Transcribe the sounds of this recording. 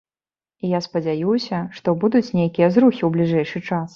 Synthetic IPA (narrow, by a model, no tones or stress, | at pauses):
ijaspɐd͡zʲajuwsʲɐʂt̪ɔbud̪ut͡sʲnʲejkʲijɐzɾuxʲiwblʲiʐɛjʂɨt͡ʂas